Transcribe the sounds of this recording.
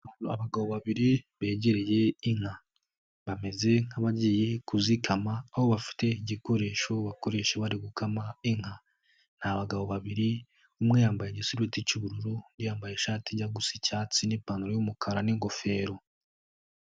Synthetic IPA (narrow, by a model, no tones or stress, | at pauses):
aβaɡaβo̞βaβiɾiβe̞ːɟeɾeje̞iŋ̥a | βame̞ze̞ŋ̥haβaɟije̞kuzikʰamaːho̞βafi̥te̞iɟiko̞ɾe̞ːʃo̞βako̞ɾe̞ʃeβaɾiɡukʰamaiŋ̥ha | n̥haβaɡaβo̞βaβiɾi | umŋejaːmbajeɟisuɾweticiβuɾuɾunɾijaːmbaje̞ʃaːtiɟaɡusi̥caːt͡sinipaːnuɾojumukʰaɾaniŋɡo̞fe̞ːɾo